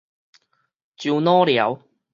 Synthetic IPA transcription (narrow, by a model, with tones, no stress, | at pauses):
t͡ɕu˧wnɔː˦˥li˨˩ɐ˨˦˥w